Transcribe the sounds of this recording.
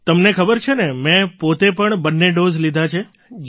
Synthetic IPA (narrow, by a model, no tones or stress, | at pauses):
t̪əmnekʰəbəɾt͡ʃʰenemɛ̃pot̪epəɳbənːeɖozlid̪ʱat͡ʃʰe | d͡ʒ